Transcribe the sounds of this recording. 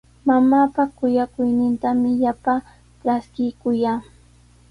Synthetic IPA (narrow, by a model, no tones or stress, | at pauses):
mamaːpakʊjakʊjnɪnt̪amɪʎapa | ʈ͡ʂaskɪkʊjaː